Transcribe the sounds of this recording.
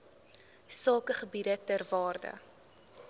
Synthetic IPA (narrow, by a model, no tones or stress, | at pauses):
sɑːkəχəbidətærvɑːrdə̰